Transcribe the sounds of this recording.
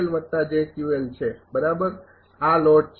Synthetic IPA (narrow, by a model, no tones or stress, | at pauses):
lʋət̪ːad͡ʒekiʋəlt͡ʃʰebəɾabəɾ | alɔʈ̚t͡ʃ